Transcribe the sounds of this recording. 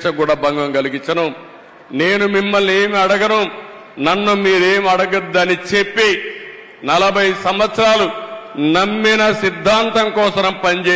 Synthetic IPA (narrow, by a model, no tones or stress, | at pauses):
ʂɐkuːɽaːbɐŋɡɐŋɡɐliɡiɲt͡ʃːɐnu | ne̞ːnumimːɐlːieːmiɐɽɐɡɐnu | nɐnːumiːɾeːmiɐɽɐɡɐd̪ːɐnit͡ʃepːi | nɐlɐbʱɐjsɐmʋɐt̪sɐɾaːlunɐmːinɐsid̪ʱːaːnt̪ɐŋkɔːsɐnɐmpɐɲd͡ʒeː